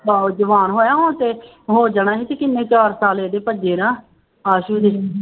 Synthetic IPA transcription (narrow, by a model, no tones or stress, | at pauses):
aːd͡ʒəʋaːnɦoːjaːɦoːt̪eː | ɦoːd͡ʒaɽaːɦiːt̪ekɪnːẽːt͡ʃaːɾsaːleːd̪eːpəd͡ʒeːɾãː | aːʃuːd̪e